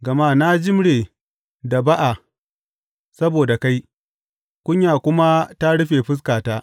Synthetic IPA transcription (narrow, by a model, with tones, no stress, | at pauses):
ɡɐ˨maː˦na˦d͡ʒɪ˦mɽeː˨ | da˨ba˦ʔa˨ | sɐ˦boː˨da˨ka˦j | kʷʊ˦ɲjaː˨kʷʊ˦ma˦ta˦ɽʊ˦ɸeː˨ɸɪ˦s̬kaː˨taː˦